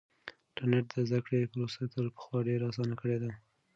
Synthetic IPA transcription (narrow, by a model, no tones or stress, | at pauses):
ʈaneʈ̚d̪əzd̪akɽepəɾosat̪əlpə̥xwɑɖeɾaɑːsɑnakəɽed̪a